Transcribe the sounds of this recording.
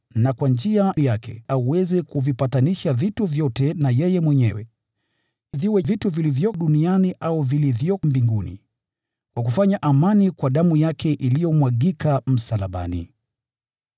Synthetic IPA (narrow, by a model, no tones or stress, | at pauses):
nakwand͡ʒiajakʰɛ̰auwɛzɛkuvipataniʃavituvjɔtɛnajɛjɛmwɛɲɛ̰wɛ̰ | viwɛvituvilivjɔɗunianiʔauvilivjɔmbiŋɡunḭ | kwakufaɲaʔamanikwaɗamujakʰɛʔilijɔmwaɠikam̩salaɓa̰nḭ